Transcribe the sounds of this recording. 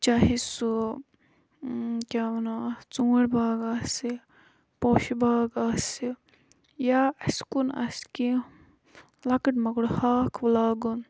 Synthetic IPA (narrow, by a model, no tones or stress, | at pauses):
t͡ʃaɦisu | kʲaːɐnat͡sũːɽʲbaːɡasi | poʃibaːɡasi | jaɐskunɐ̰ski | lɐkɐʈmɐɡɽhaːkʰʋlaːɡun